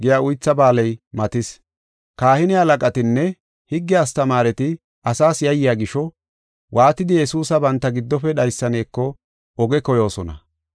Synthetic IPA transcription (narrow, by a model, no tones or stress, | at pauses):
ɡɪjaːʊjt͡sːɐbaːlɛjmɐt̪ɪs | kaːhɪnɪɐlɐkʼɐt̪ɪnːɛ | hɪɡːɪɐst̪ɐmaːɾɛt̪ɪ | ʔɐsaːsjɐjːɪjaːɡɪʃɔ | wʔaːt̪ːɪd̪ɪjɛsuːsɐbɐnt̪ːɐɡɪd̪ːɔpɛɗɐjsːɐne̞ːkːɔ | ɔɡɛkɔjo̞ːsɔnɐ̰